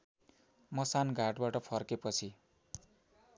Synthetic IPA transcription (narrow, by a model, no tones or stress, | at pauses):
mʌsanɡʱaʈbaʈʌpʰʌrkepʌt͡sʰi